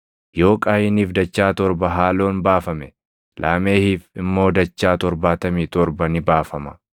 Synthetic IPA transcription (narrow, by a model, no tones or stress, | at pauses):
jo̞ːkʼaːjɪniːfd̪ɐt͡ʃːaːt̪ɔɾbɐɦaːlo̞ːnbaːfɐmɛ | lʔaːme̞ːhiːfɪmːo̞ːd̪ɐt͡ʃːaːt̪ɔɾbaːt̪ɐmiːt̪ɔɾbɐnɪbaːfɐmɐ̥